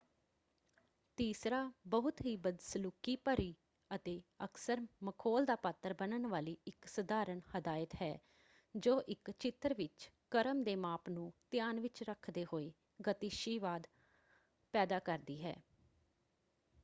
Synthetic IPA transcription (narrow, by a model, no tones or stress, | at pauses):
t̪iːsɾaːbəɦʊt̪ɦiːbəd̪səlukiːpəɾiː | ət̪eːəksəɾməkʰoːld̪aːpat̪ːəɾbənənʋaːliːɪksəd̪aːɾəɳhəd̪aːɪət̪ɦɛː | d͡ʒoːʔɪkt͡ʃɪt̪əɾʋɪt͡ʃ | kəɾəmd̪eːmaːpnũːt̪ɪjaːnʋɪt͡ʃɾəkʰd̪eːɦoːeː | ɡət̪iʃiːʋaːd̪ | pɛːd̪aːkəɾd̪iːɦɛ̰ː